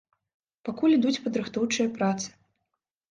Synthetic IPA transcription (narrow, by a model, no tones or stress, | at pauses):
pakulʲid̪ut͡sʲpɐd̪ɾɨxt̪ɔwt͡ʂɨjɐpɾat̪sɨ̥